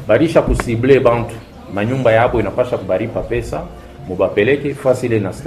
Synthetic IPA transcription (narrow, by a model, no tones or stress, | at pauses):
baliʃakusiblebãntu̥ | maɲumbajaboinapaʃakubaɾipapɛsa | mobapelɛkɛfasilenas